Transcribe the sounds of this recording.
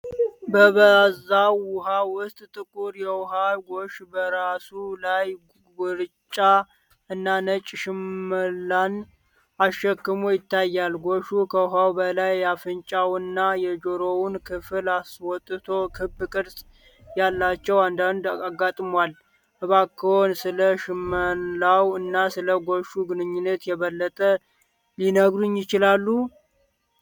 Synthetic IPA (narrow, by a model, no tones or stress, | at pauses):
bəβəzawʊhawʊst̪ʼt̪ʼɨkʼuɾjɛwʊɦawɡoʃbəɾasulaj | ɡɔɾt͡ʃʼːa | ɨnːanət͡ʃʼːʃɪmːəlːan | aʃɛkːɨmojɪt̪ːajːalɡoʃukʰəwɦawbəlajafɨnt͡ʃʼawɨnːajɛd͡ʒoɾowʊnkʰɨfɨlaswɔt̪ʼːɨt̪ʰo̞kʰɨbːkʼɨɾsʼ | jalːat͡ʃːɛwand̪and̪aɡat̪ʼmwal | hɨβakʰːəhonsɨləʃɨmənlawɨnːasɨləɡoʃuɡɨnɨɲːɪnːət̪jɛβəlːət̪ʼə | linəɡɾuɲjɪt͡ʃɪlalːu